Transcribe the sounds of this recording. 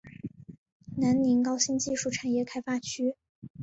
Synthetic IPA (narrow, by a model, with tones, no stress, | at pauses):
na˧˥nni˧˥ŋkɑ˥ʊɕi˥ŋt͡ɕi˥˧ʂu˥˩ʈ͡ʂʰa˨˩njɛ˥˩kʰa˥ɪfa˥t͡ɕʰy˥